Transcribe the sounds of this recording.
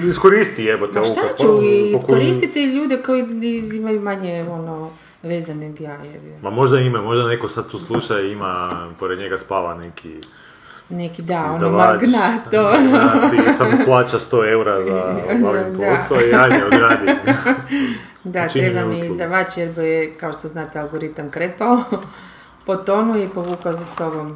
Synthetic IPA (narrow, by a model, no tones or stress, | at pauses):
iskoɾist̪ieʋot̪eʃt̪at͡ʃuiiokkoɾist̪it̪iʎuːd̪eko̞jiiimajumaɲeono | ʋeːzaneɡjajeʋimamo̞ʒd̪aimamo̞ʒd̪anekosad̪̚t̪uːslˠuʃajimapoɾed̪ɲeɡaspaːʋa̰nekʰḭ | nekid̪aond̪aoʋaɡnat̪oisaplˠaːt͡ʃast̪oeuɾazaalimpd̪asaoiaɲeoɡɾad | d̪at̪iɾebammiizd̪aʋat͡ʃeɾbojekaoʃt̪oznaːt̪ealɡoɾit̪amkɾepao | pot̪onuipoʋuːkaozasobom